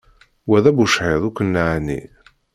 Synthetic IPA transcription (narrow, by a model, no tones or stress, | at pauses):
wæðæbuʃħeðˤukʷːənːaʕnḭ